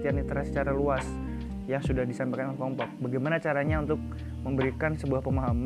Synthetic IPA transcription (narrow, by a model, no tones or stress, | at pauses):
t̪ianit̪əɾasə̥t͡ʃaɾaluas | jaŋsudahdisampakanɔləŋklɔmpɔk̚baɡajmanat͡ʃaɾaɲaunt̪ʊk̚ | məmbəɾikansəbuahpəmaɦam